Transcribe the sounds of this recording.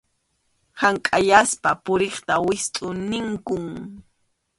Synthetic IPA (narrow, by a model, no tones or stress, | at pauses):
haŋkʼaʎaspapʊɾeχt̪awɪst̪ʼʊnɪŋkʊŋ